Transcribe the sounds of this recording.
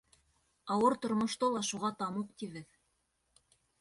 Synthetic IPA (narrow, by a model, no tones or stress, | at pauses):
ɑwɤɾt̪ŏɾmŏʃt̪ɤlˠɑʃuʁɑt̪ɑmuqt̪iβɘð